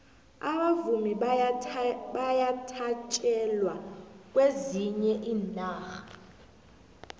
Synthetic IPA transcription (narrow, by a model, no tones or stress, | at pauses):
aɓavumi | ɓajatʰat͡ʃʼɛlwak̬ʼweziɲɛʔiːnaːxḁ